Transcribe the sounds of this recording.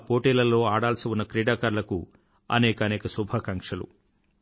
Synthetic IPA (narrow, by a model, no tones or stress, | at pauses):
po̞ːʈiːlɐlːo̞ːaːɽaːlɐsiwunːɐkɾiːɽaːkaːɾlɐku | ɐ̰nɛːkɐɐneːkɐsubʱaːkɐŋkʂɐlṵ